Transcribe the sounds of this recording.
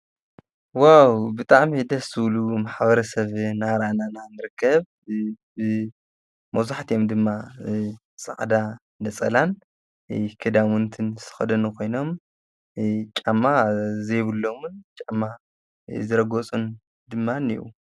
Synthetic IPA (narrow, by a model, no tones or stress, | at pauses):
wawbɨt̪ʼaʕmid̪ɐsɨwlumaħbɐɾɐsɐβnaɾanananɨɾɨkʰːɐβ | bɨ | mɐzaħt̪ʰijo̞md̪ɨmːa | sʼa̰ʕd̪a | nɐt͡sʼɐlan | kʰɨd̪amɨnt̪ʰɨnsʰɨ̥xɐd̪ɐnukʰo̞jno̞m | t͡ʃʼamːazejβɨlːomt͡ʃʼamːa | zɨɾɐɡot͡sʼun | d̪ɨmːanḭʔu